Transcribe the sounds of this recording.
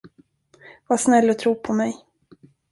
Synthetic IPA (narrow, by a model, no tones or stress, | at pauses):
vaʂnɛlːɔt̪ʰɾuːpʰɔmɛj